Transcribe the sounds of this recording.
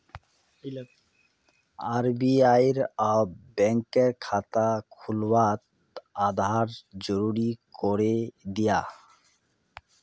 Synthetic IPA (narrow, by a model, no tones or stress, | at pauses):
aɾbiajɾabɛŋkeɾkʰat̪akʰulwat̪ | ad̪ʱaɾd͡ʑoɾuɾikoɾed̪ija